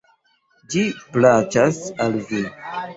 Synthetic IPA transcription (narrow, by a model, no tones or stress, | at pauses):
d͡ʒiplat͡ʃasalzi